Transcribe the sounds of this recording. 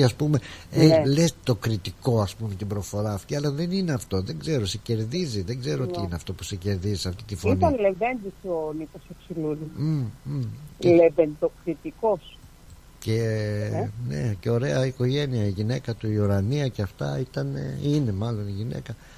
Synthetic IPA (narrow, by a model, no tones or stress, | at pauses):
ɐspume̞elest̪o̞kɾit̪iko̞ɐspume̞t̪ibɾo̞fo̞ɾɐːft̪iɐlɐðe̞nine̞ɐft̪o̞ðe̞ŋɡze̞ɾo̞sece̞ɾðiziðeŋɡze̞ɾoot̪iineɐft̪opu̥sece̞ɾðizisɐft̪it̪ifoiniɐnlevend̪isonikoseksiluðim | elevend̪okɾit̪ikos | ce̞ | ne̞̰ce̞o̞ɾe̞ɐiko̞ʝe̞niɐiʝine̞kɐt̪uiuɾɐniɐceɐft̪ɐit̪ɐnḛine̞mɐlo̞niʝine̞̰kɐ